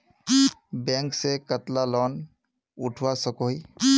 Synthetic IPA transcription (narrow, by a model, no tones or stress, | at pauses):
bɛŋksekət̪lalɔn | uʈʰuwasɔkɔi